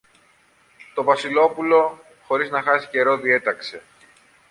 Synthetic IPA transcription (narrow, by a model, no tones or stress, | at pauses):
t̪o̞vɐsilo̞pulo̞ | xo̞ɾiznɐxɐsi̥ce̞ɾo̞ðie̞t̪ɐkse̞